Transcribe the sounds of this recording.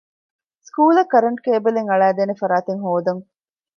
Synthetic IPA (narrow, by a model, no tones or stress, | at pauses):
skuːlɐkɐɾɐɳʈkeːbeleŋɐɭæːd̪eːnefɐɾaːt̪eŋɦoːd̪ɐŋ